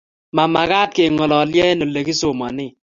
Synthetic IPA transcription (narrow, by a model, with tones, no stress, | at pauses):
ma˨ma˨ɡa˦t̚ke˨ŋɔ˨lɔ˨ljɛ˦no˨le˨ki˦so˨ma˨nɪ˦˨